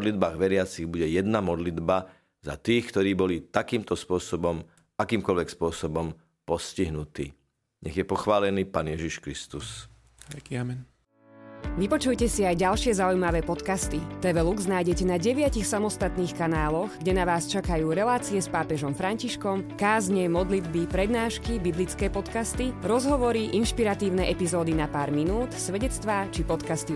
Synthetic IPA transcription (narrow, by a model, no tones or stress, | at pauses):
d̪lid̪baːɣʋɛɾɪat͡siɣbuɟɛjɛd̪namɔd̪lid̪ba | za̰t̪iːxkt̪ɔɾiːbɔlit̪akiːmt̪ɔspʊɔsɔbɔm | akiːmkɔlʋɛkspʊɔsɔbɔm | pɔsciɦnut̪ḭː | ɲɛɣjɛpɔxʋaːlɛniːpaːnjɛʒiʃkɾist̪us | amɛn | ʋipɔt͡ʃujcɛsiajɟalʃɪɛzaujmaʋɛːpɔt̪kast̪it̪ɛʋɛluɡznaːjɟɛcɛnaɟɛʋɪacixsamɔst̪at̪niːxkanaːlɔɣɡɟɛnaʋaːst͡ʃakajuːɾɛlaːt͡siɛspaːpɛʒɔmfɾaɲciʃkɔmkaːzɲɛmɔd̪lid̪bipɾɛd̪naːʃkibiblit͡skɛːpɔt̪kast̪iɾɔzɦɔʋɔɾiʔinʃpiɾat̪iːʊnɛʔɛpizɔːd̪inapaːɾminuːt̪sʋɛɟɛt͡st̪ʋaːt͡ʃipɔt̪kast̪i